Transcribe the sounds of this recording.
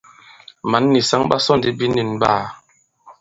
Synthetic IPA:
ma˨˦nːi˨sa˦ŋba˦sɔ˦n˨di˨˦bi˦ni˨n˨baː˦˨

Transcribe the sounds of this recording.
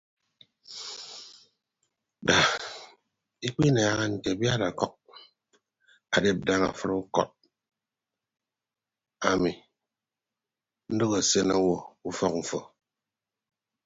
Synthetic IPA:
da˨ | i˦k͡pi˦na˨˦ɣa˦n̩˨te˨bja˦ɾa˨kɔ˦k̚ | a˨de˦p̚da˦ŋa̰˨fɨ˦ɾu˦kɔ̰˦˨t̚ | a˨mi˨ | n̩˦do˦ɣa˨se˦na˦wɔ˨u˦fɔ˦km̩˨fɔ˨

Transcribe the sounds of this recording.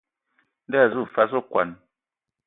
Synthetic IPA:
n˦da˦a˨zu˦˨fa˦s̬o˦kwa̰˨n

